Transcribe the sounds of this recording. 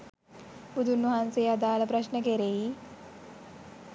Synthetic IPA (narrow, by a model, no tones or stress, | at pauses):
bud̪ʱunːɐɦanseːad̪aːləpɾɐʃnək̬eɾei